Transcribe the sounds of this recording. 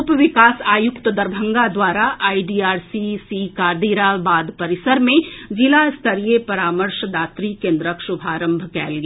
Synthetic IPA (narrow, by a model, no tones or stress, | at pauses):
pʋɪkaːsaːjʊkt̪əd̪ɐɾbʱə̃ŋɡad̪waːɾaʔaːiɖiːaːɾsisiːkaːɾd̪iːɾabaːd̪pɐɾɪsəɾmẽd͡ʒɪlaɪst̪ʰɐɾiepɐɾaːməɾʃd̪aːt̪ɾikẽːnd̪ɾəkʃʊbʱaːɾə̃mbʱkɛ̰ːlɡ